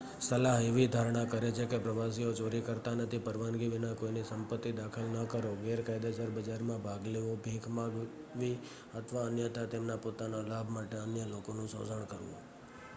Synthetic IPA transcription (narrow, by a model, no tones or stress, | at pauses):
səlaɦeʋid̪ʱaɾɳ̃akəɾet͡ʃʰekepɾəʋasiot͡ʃoɾikəɾt̪anət̪ʰipəɾʋanɡiʋinãkoinisəmpət̪ːid̪akʰəlnəkəɾoɡeɾkajd̪ad͡ʒəɾbəd͡ʒaɾmãbʱaɡleʋõbʱekʰmãɡ | ʋi | ət̪ʰʋaənjət̪at̪emnapot̪analabʱmaʈeənjəlokonũsə̰̃səɳ̃kəɾʋṵ̃